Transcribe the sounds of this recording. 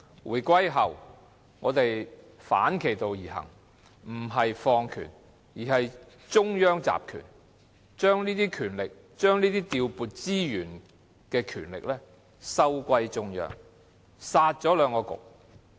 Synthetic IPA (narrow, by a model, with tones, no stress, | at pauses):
wuː˨˩jkʷɐ˥jɦɐ˨˩w | ŋɔː˨˧t̪e˨j | fa̰ː˨˥nkʰe˨˩jt̪o˨wjiː˨˩ɦɐ̰˨˩ŋ | m̩˨˩ɦɐ˨jfɔː˧ŋkʰy̰ː˨˩n | jiː˨˩hɐ˨j | t͡sʊ˥ŋjœː˥ŋt͡sa̰ː˨p̚kʰy̰ː˨˩n | t͡ʃœː˥ŋniː˥t̪iː˥kʰyː˨˩nlɪ˨k̚ | t͡ʃœː˥ŋniː˥t̪iː˥t̪iː˧wpuː˨t̚t͡siː˥jyː˨˩n | kɛː˧kʰyː˨˩nlɪ̰˨k̚lɛː˥ | sɐ˥wkʷɐ˧jt͡sʊ˧ŋjœ̰ː˨ŋ | saː˧t̚t͡ʃɔː˨˥lœː˨˧ŋkɔː˧kʊ̰˨˩k̚